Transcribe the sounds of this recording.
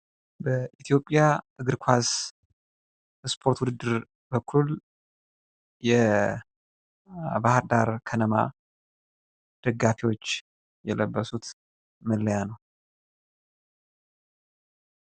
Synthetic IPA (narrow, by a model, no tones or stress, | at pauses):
bəʔit̪ʰijo̞pʼːjaʔɨɡɨɾkʷʰas | spʰo̞ɾt̪wud̪ɨd̪ːɨɾ | bəkʰːul | jɛ | bahɨɾd̪aɾkʰənəma̰ | d̪̥əɡːafiwo̞t͡ʃː | jɛləbːəsut̪ | məlːəjanəw